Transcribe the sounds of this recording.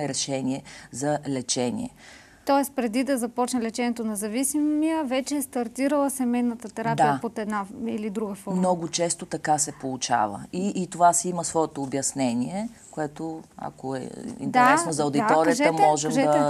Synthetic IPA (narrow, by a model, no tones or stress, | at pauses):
ɛɾɛʃɛniɛzɐlɛt͡ʃɛnḭɛ̰ | t̪ɔɛspɾɛd̪id̪ɐzɐpɔt͡ʃnɛlɛt͡ʃɛniɛt̪onɛzɐvisimijəvɛt͡ʃɛːst̪ɐɾt̪iɾəlˠəsɛmɛjnət̪ət̪ɛɾap̪d̪iəpot̪ɛd̪nailid̪ɾuɡəfɔmnɔɡʊt͡ʃɛst̪ot̪ɐkasɛpolˠʊt͡ʃa̰və̰iːt̪ovasiməsvɔɛt̪oːbjɐsnɛniɛ | koɛt̪oɐ̰koɛ̰ḭnt̪ɛaɾɛsnozɐod̪iat̪ɔɾiətɛəmɔʒɛmʒɛd̪ɐ